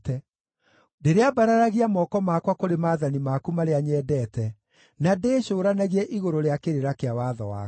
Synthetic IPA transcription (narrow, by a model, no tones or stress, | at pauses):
tɛ | deɾeabaɾaɾaɣiamɔkɔmakwakoɾemaːðanimakumaɾeaɲɛːdɛtɛ | nadeːɕoːɾanaɣiɛʔiɣoɾoɾeakeɾeɾakeawaðɔwa̰ː